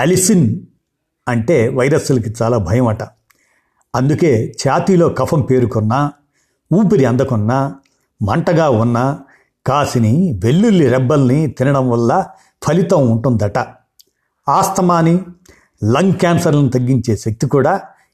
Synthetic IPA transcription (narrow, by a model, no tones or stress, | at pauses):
ɐlisin | ɐɳʈe̞ːʋɐjɾɐsulɐk̬it͡ʃaːlaːbʱɐjɐmɐʈɐ | ɐnd̪uke̞ːt͡ʃaːt̪iːlo̞ːkɐpʰɐmpe̞ːɾukɔnːɐ | uːpiɾiɐnd̪ɐkɔnːɐ | mɐɳʈɐɡaːunːɐ | kaːsiniʋe̞lːulːiɾɛbːɐlnit̪inɐɽɐmʋɐlːɐ | pʰɐlit̪ɐmuɳʈund̪ɐʈɐ | aːst̪ɐmaːni | lɐŋɡkaːnsɐɾlɐnit̪ɐɡːiɲt͡ʃe̞ːʃɐk̚t̪ikuːɽaː